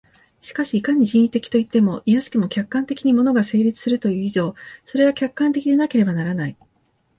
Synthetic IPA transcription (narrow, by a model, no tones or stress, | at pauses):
ɕi̥kaɕiːkaɲ̟iʑĩɰ̃it̪e̞kʲi̥t̪o̞it̪ːe̞mo̞ʔijaɕi̥kɯmo̞kʲakːãnt̪e̞kʲiɲ̟imo̞no̞ɡase̞ːɾʲit͡sɨ̥sɨɾɯ̟t̪o̞jɯ̟ːiʑo̞ːso̞ɾe̞akʲakːãnt̪e̞kʲid̪enake̞ɾe̞banaɾanai